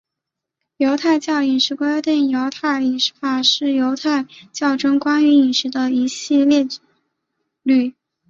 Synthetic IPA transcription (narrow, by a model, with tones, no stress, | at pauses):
jo˧˥ʊt̪ʰa˥˧ɪt͡ɕjɑ˥˩ʊi˨˩nʂɻ̩˧˥kwa˥t̪i˥˩njo˧˥ʊt̪ʰa˥˩ɪi˨˩nʂɻ̩˥fa˥˩ʂɻ̩˥˩jo˧˥ʊt̪ʰa˥˧ɪt͡ɕjɑ˥˩ʊʈ͡ʂɤ˥ŋkwa˥ny˧˥i˨˩nʂɻ̩˧˥d̪ə˧i˧˥ɕi˥˧ljɛ˥˧ | ly˥˩